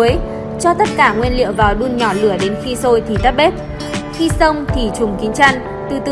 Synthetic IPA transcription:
əj | t͡ɕɔ˧t̪ə˦˥t̚kaː˧˩ŋwi˧ənlḭ˧˨əwvaː˨˩wɗu˧ənɲɔ˧˩lɨ˧˩əɗe˨˦nxi˧so˧jt̪ʰi˨˩t̪ə˦˥p̚ɓe˦˥t̚ | xi˧sə˧wŋ͡mt̪ʰi˨˩t͡ɕʊ˨˩ŋ͡mkï˨˦ŋ̟t͡ɕa˧ŋ | t̪ɨ˧˩t̪ɨ˧

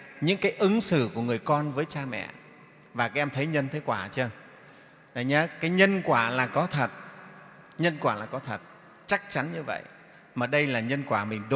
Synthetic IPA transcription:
ɲɨ̰˧˥ŋkaː˨˦jʔɨ˨˦ŋsɨ̰˧˩˨ku˧˩əŋɨ˨˩əjkɔ˧nvəː˨˦jt͡ɕaː˧mɛ̰˧˨ | vaː˨˩kaː˨˦ʔɛ˧mt̪ʰə˨˦jɲə˧nt̪ʰe˨˦kwaː˧˩t͡ɕəː˧ | zə˧˩jɲa˨˦kaː˨˦jɲə˧nkwaː˧˩laː˨˩kɔ˨˦t̪ʰə˨˩t̚ | ɲə˧nkwaː˧˩laː˨˩kɔ˨˦t̪ʰə˨˩t̚ | t͡ɕa˦˥k̚t͡ɕa˨˦nɲɨ˧və̰˧˨jʔ | maː˨˩ɗə˧jlaː˨˩ɲə˧nkwaː˧˩mï˨˩ŋ̟ɗo˨˦

